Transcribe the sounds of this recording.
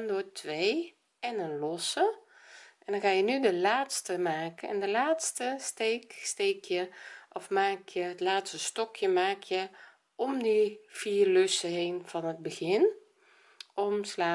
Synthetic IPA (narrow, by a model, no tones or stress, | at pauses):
ndoːtʰʋeː | ɛnənlɔsə | ʔɛndɔnkaːjənydəlaːtstəmaːkənɛ̰ndəlaːtstəsteːksteːkʰjəʔɔfmaːkʰjəətlaːtstəstɔkʰjəmaːkʰjə | ɔmdəfiːrløsəɦeːnv̥ɔnəd̚bəɣɪn | ɔmslaː